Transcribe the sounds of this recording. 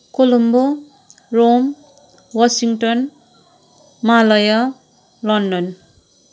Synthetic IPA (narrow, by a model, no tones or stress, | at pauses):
kolombo | rom | wasiŋʈʌn | malʌja | lʌnɖʌn